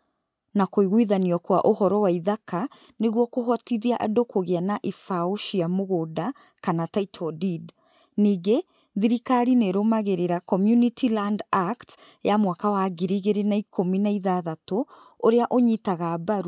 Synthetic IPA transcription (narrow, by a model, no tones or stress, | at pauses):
nakoiɣwiðaniɔkwa̰ʔohɔɾɔwaiðaka | neɣwɔkoɦɔtiðiaʔadokoɣeanaʔifaoʃiamoɣoda | kanataitʰɔdid | niːɡe | ðiɾikaɾineɾomaɣeɾeɾakɔmjunitʰilandakt | jamwakawaɡiɾiɣeɾenaikʰominaiðaðato | oɾeaʔoɲitaɣabaɾu